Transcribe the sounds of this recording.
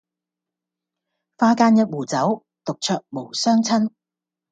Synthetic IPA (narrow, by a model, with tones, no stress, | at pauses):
faː˧kaː˧njɐ˥t̚wuː˨˩t͡sɐ˨˥w | t̪ʊ˨k̚t͡ʃʰœː˧k̚mo˨˩wsœː˥ŋt͡sʰɐ˥n